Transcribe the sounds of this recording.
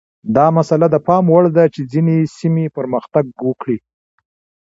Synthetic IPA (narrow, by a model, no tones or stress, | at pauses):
d̪ɑmasalad̪əpɑmwaɽd̪at͡ʃed͡zinesimepəɾməxt̪aɡ̚wəkɽi